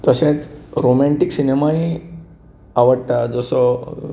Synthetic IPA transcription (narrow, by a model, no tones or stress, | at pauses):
t̪əɕet͡sɾomɛ̃ɳʈiksinemai | aʋəɽt̪ad͡zəsɔ